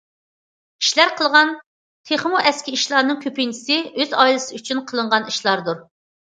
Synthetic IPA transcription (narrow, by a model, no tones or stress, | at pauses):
i̥ʃlæɾqʰəlˠʁɑn | t̪ʰeχmuʔɛskʲiiʃlˠɑɾnɨŋkʲʰøpint͡ʃʰɪ̥sɪøzɑjlˠɨsɨyt͡ʃʰynqʰəlˠəɴʁɑniʃlˠɑɾd̪uɾ